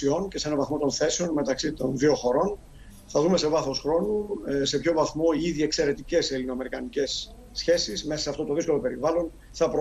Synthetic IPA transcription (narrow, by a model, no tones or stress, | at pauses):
io̞nce̞se̞nɐvɐθmo̞t̪o̞nθe̞seo̞nme̞t̪ɐksit̪o̞nðio̞xo̞ɾo̞n | θɐðume̞se̞vɐθo̞sxɾo̞nuse̞pço̞vɐθmo̞iiðie̞kse̞ɾe̞t̪ice̞selinoɐme̞ɾikɐnice̞sː | çe̞sizme̞sɐsɐft̪o̞t̪o̞ðisko̞lope̞ɾivɐlo̞n | θɐpɾo